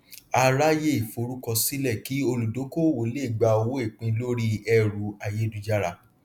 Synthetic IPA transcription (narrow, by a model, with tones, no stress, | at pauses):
a˦˧ɾa˦je˦i˨fo˧ɾu˦kɔ˧si˦lɛ˦˨ki˨˦o˧lu˨do˨˦ko˦˨wo˨˦le˦i˨ɡ͡ba˧o˧wo˦e˦˨k͡pĩ˧lo˦ɾi˦ɛ˧ɾu˨˦a˧je˦du˧d͡ʒa˦ɾa˧